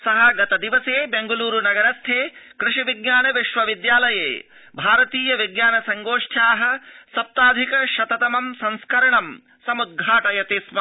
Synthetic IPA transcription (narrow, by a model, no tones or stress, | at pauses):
sɐɦɐɡɐt̪ɐd̪iʋɐseːbeŋɡɐluːɾunɐɡɐɾɐst̪ʰeːkɾɪʃiʋiɡɲaːnɐʋiʃʋɐʋid̪jaːlɐjḛː | bʱaːɾɐt̪iːjɐʋiɡɲaːnɐsɐŋɡoːʂʈʰaːɦɐ̆sɐp̚t̪aːd̪ʱikɐʃɐt̪ɐt̪ɐmɐmsɐ̃nskɐɾɐɳɐm | sɐmud̪̚ɡʱaːʈɐjɐt̪iːsmɐ